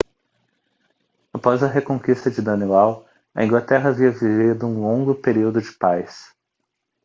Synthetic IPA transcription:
apɔzɐɦekõŋkist̪ɐd͡ʒɪd̪ɐniɛw | ɐ̰ĩɡlat̪ɛɦɐaviɐvivid̪ʊũlõŋɡʊpeɾiwd̪ʊd͡ʒɪpajs

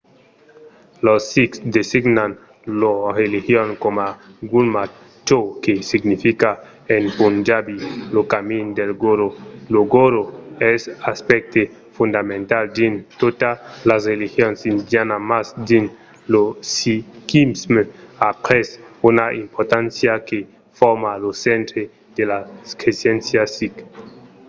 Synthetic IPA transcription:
losiksd̪esiɡnan | loɾelixjonkomaɡulma | t͡ʃokesiɡnifika | enpund͡ʒabilokamind̪elɡoɾoloɡoɾoesaspek̚t̪e | fund̪amẽnt̪ald̪int̪ot̪alasrelixjonsind̪janamasd̪in | losikimsmapɾesunaʔimpoɾt̪ansjake | foɾmalosent̪ɾe | d̪̥elaskɾesjensjasik

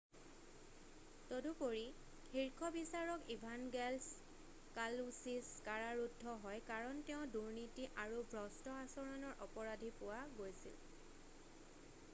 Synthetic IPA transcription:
todupoɹi | xiɹkʰɔbisaɹɔkibʱanɡɛls | kalusiskaɹaɹudʱːɔɦɔjkaɹɔntɛʊ̃duɹnitiʔaɹubʱɹɔstɔasɔɹɔnɔɹʔɔpɔɹadʱipʊwaɡojsḭl

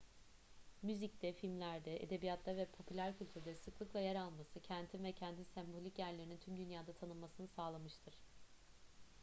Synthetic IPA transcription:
myzic̚t̪ʰɛfilʲmlʲæɾd̪ɛʔḛd̪e̞bijat̪ʰlˠavɛpʰo̞pʰylʲæɾcʰylʲt̪ʰyɾd̪ɛsɯklˠɯklˠajɛɾalˠmasɯcʰænt̪ʰinvɛcʰænt̪ʰinsɛmbo̞lʲicjæɾlʲeɾinint̪ʰymd̪ynjaːd̪at̪ʰanɯlˠmasɯnɯsaːlˠamɯʃt̪ʰɯɾ̥

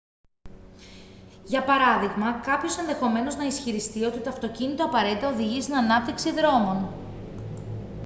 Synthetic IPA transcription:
ʝɐpɐɾɐðiɣmɐkɐpço̞se̞nðe̞xo̞me̞no̞znɐisçiɾist̪io̞t̪it̪o̞ɐft̪o̞cinit̪o̞ɐpɐɾe̞t̪it̪ɐoðiʝist̪inɐnɐp̚t̪iksiðɾo̞mo̞n

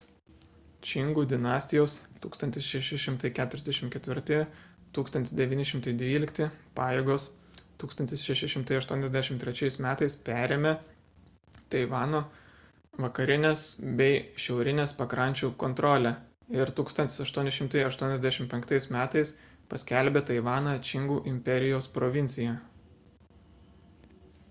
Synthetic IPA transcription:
t͡ʃʲɪŋɡuːd̪ʲɪnɑːsʲt̪ʲɪjoːst̪uːkst̪ɐnt̪ʲɪsʃʲɛʃʲɪʃʲɪmt̪ɐɪkʲæːt̪ʊɾʲɛzd̪ʲæʃʲɪmkʲɛt̪ʲʋʲɪɾt̪ʲɪ | t̪uːkst̪ɐnt̪ʲɪsd̪ʲɛʋʲiːnʲɪʃʲɪmt̪ɐɪd̪ʲʋʲiːlʲɪkt̪ʲɪpɑːjeːɡoːs | t̪uːkst̪ɐnt̪ʲɪsʃʲɛʃʲɛɪʃʲɪmt̪ɐɪɐʃt̪uɔnʲɛzd̪ʲæʃʲɪmt̪ʲɾʲɛt͡ʃʲɛɪsmʲæːt̪ɐɪspʲæːɾʲeːmʲe | t̪ɐɪʋɑːnoː | ʋɐkɐɾʲɪnʲesbʲɛɪʃʲɛʊɾʲɪnʲeːspɐkɾɐnʲt͡ʃʲuːkɔnt̪ɾɔlʲæ | ɪɾt̪uːkst̪ɐnt̪ʲɪ̥sɐʃt̪uɔnʲɪʃʲɪmt̪ɐɪɐʃt̪uɔnʲɛzʲd̪ʲæʃʲɪmtpʲɛŋkt̪ɐɪsmʲæːt̪ɐɪs | pɐsʲkʲɛlʲbʲet̪ɐɪʋɑːnɑt͡ʃʲɪŋɡuːʔɪmʲpʲɛɾʲɪjoːspɾoʋʲɪnʲsʲɪjæ

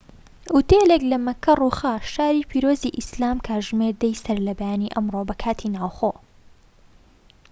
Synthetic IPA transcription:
ʔut̪eleklɐmɐkʰːɐrˤuːxaʃaːɾiːpʰiːɾoːziʔislaːmkʰaʒmeɾd̪ɐjsɐɾlɐbajaːniʔɐmroːbɐkʰaːt̪ʰinaːwxoː

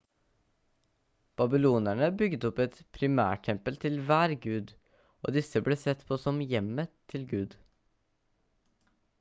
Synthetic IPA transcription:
b̥ɑbɪluːnæɳəbʏɡd̪ɔpɛt̪pʰɾɪmæ̰ːʈʰɛmpəlt̪ʰɪlʋæːɾɡʉːd̪ | ʔo̰ːd̪ɪsəbleːsɛt̪pʰoːsɔmjɛmət̪ʰɪlɡʉːd̪

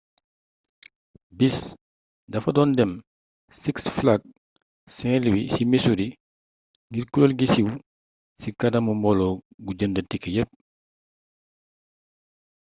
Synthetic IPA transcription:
bis | dɐfɐdɔːndɛm | siksflaɡ̚ | sɛŋliwisimisuɾi | ŋɡiɾkulolɡisiw | sikadɐmumɔlɔɡuɟəndətikːəjəp̚

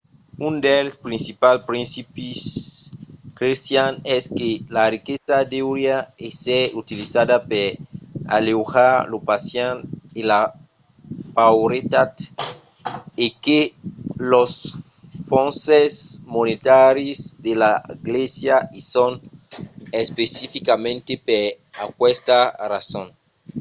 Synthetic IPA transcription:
und̪elspɾĩnsipalpɾĩnsipis | kɾesjanɛskelarikesad̪ewɾjaeseɾut̪ilisadapeɾa̰lewxaɾlopasjanela | pawɾet̪at̪ | ekelos | fonsesmonet̪aɾizd̪elaiɡlesjaison | espesifikamẽnt̪epeɾ | akwest̪arasõn

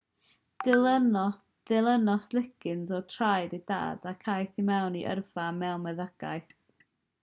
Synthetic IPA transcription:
d̥ɪə | d̥ɪlˠənɔslˠɪkʰɪnzɔtʰrajdida̰ːdakʰajθimɛwniʔə̰rv̥amɛlmɛðəɡ̥a̰jθ

